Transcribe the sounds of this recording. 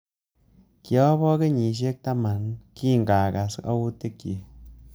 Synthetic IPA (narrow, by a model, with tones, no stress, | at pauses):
kjo˦bo˦ɡe˦ɲi˨ʃ̬e˦k̚t̪a˦ma˨nki˦˨ŋɡa˨ɡa˨sɡa̰˦wu˦t̪e˦ki˨